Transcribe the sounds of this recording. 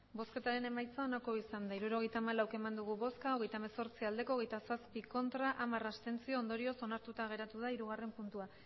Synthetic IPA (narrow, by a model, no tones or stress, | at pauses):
bo̞ske̞t̪aɾe̞ne̞majt͡sao̞nako̞isand̪aiɾuɾo̞ɣ̞e̞jt̪aːmalawke̞mand̪uɣ̞uβo̞skao̞ɣe̞jt̪ameso̞ɾt͡siald̪e̞koɣe̞jt̪asaspiko̞nt̪ɾaʔamarast̪e̞nt͡sio̞ːnd̪o̞ɾio̞so̞naɾt̪ut̪aɣ̞e̞ɾat̪uð̞aiɾuɣ̞are̞mpunt̪ua